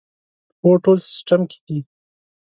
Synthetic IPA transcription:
poʈoːlsɪ̥sʈamki̥d̪i

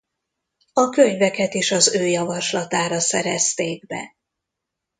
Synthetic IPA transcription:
ɒkø̞ɲvɛkɛt̪iʃɒzøːjɒvɒʃlɒt̪aːɾɒsɛɾɛst̪eːɡbɛ̰

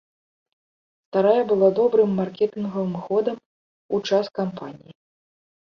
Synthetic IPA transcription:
st̪aɾajɐbɨlˠad̪ɔbɾɨmːarkʲɛt̪ɨnɣɐvɨmxɔd̪ɐm | ut͡ʂaskampanʲḭji

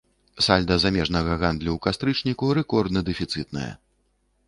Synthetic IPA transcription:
salʲd̪ɐzamʲɛʐnɐɣɐɣand̪lʲuwkast̪ɾɨt͡ʂnʲikuɾɛkɔrd̪nɐd̪ɛfʲit̪sɨt̪nɐ̰jɐ̰

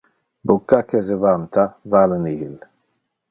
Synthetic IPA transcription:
bukːakezəvant̪ʰavalənihil

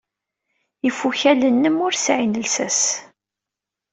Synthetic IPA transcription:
ifːuçælənːəmʊɾsʕinəlsæs

